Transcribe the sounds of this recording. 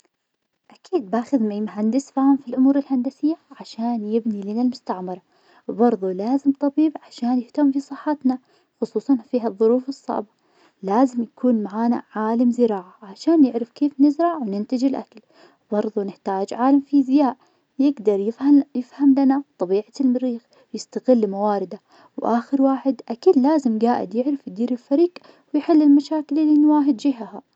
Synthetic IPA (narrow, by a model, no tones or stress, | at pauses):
ʔakiːd̪̚baːxɪðmajmʊɦand̪ɪsfaːhamfilʔʊmuːɾɪlhand̪asɪjːaʕaʃaːnjɪbnilɪnalmʊst̪aʕmɑɾˤɑ | wbɑɾˤðˤulaːzɪmt̪ˤɑbiːbʕaʃaːnjɪht̪amːfisˤɨħːɑt̪na | xʊsˤuːsˤɑnfiːɦaðˤːʊɾuːfɨsˤːɑ̰ːbɑ | laːzɪmjakʰuːnmaʕaːna̰ʕaːlamzɪɾaːʕaʕaʃaːnjɪʕɾɪfkeːfnɪzɾˤɑʕwnɪnt̪ɪd͡ʒɪlʔa̰kal | bɑɾˤðˤunɪħt̪aːd͡ʒʕaːlamfizjaːʔ | jɪɡd̪ɑɾˤjɪfhajɪfhamlanat̪ˤɑbiːʕalmaɾiːx | wjɪst̪aɣɪlːmawaːɾɪd̪a | wʔaːxɪɾwaːħɪd̪ʔakalːaːzɪmɡaːʔɪ̰d̪jɪʕɾɪfjd̪iːɾɪlfaɾiːq | wɪjħɪlːɪlmaʃaːkɪlɪlːinwaːɦɪd̪d͡ʒɪɦaha